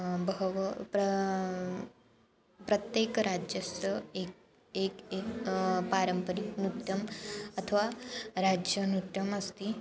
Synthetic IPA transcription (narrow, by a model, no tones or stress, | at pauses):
bʋpɾ | pɾɐt̪jekɾad͡ʒjəsəe | ekekpaɾəmpəɾiknut̪jɐmɐt̪ʰəʋaɾad͡ʒjənut̪jɐməst̪i